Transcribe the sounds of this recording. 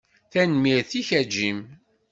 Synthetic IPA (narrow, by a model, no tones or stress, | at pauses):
θænmiɾθiçæd͡ʒim